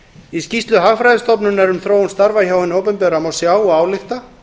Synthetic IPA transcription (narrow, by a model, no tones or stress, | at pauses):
iscist̪lʏɦaɣfɾajðɪst̪ɔpnʏnɛɾʏmθɾoːwnst̪aɾvaçaːwɪnoːwpɛmpɛɾamawsjaːwaːwlɪxt̪a